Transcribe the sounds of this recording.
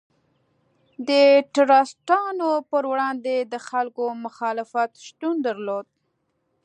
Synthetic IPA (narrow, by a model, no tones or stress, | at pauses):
d̪əʈɾɑsʈɑnopəɾwɽɑnd̪ed̪əxalkomʊxɑlɪfat̪ʃt̪und̪əɾlod̪̚